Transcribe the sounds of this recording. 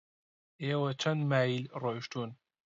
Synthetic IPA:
eːwɐt͡ʃʰɐnd̪maːilroʃt̪un

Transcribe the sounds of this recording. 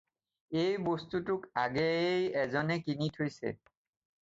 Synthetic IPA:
ejbostutʊkaɡejɛzɔnɛkinitʰojsɛ̰

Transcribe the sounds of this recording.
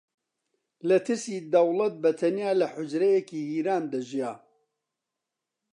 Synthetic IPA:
lɐt̪ʰɨɾsiːd̪ɐwlɐt̪̚bɐt̪ʰɐnjaːlɐħʊd͡ʒɾɐjɛkiːhiːɾaːnd̪ɐʒijaː

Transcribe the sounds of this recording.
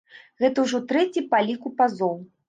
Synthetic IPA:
ɣɛt̪ɐwʐɔt̪ɾɛt͡sʲipalʲikupazɔw

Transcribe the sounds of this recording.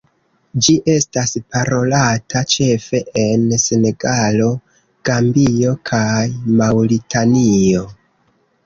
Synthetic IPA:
d͡ʒiʔe̞staspaɾo̞latʰat͡ʃe̞fe̞ʔense̞ne̞ɡalo̞ | ɡ̥ambio̞kʰajmawɾitanio̞

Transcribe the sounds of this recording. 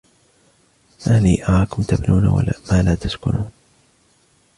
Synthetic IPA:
ʔaːliːʔɑɾˤɑːkʊmt̪abnuːna̰wa̰la̰maːlaːt̪askʊnuːn

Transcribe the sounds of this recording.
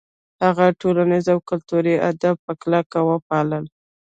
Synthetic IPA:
haɣaʈolanizawkʊlt̪uɾiʔad̪ab̚pəklakawəpɑləl

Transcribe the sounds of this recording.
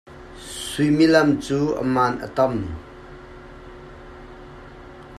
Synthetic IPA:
sujmilɐmt͡suːʔə̰maːnʔə̰t̪ɔm

